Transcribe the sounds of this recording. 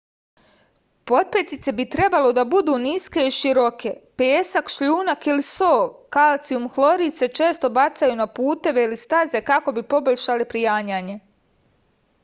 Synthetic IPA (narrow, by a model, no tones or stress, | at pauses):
po̞t̪̚pet̪it̪se̞bit̪ɾe̞balo̞d̪abud̪uːniske̞iʃiɾo̞kʰe̞peːsakʃʎuːnakilisoːkalt̪siumxlˠo̞ɾiːt̪se̞t͡ʃe̞ːst̪o̞bat̪sajunapuːt̪e̞ʋe̞ilist̪aze̞kako̞bipo̞boʎʲʃalipɾijaːɲaːɲe